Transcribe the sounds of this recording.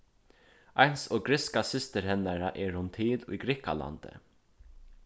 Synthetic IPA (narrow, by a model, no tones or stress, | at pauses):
ajnsɔːɡɾɪskasɪst̪əɾhɛnːaɾaʔɛːɹhʊnt̪ʰɪlʊ̰jɡɾɪka̰la̰nt̪ə̰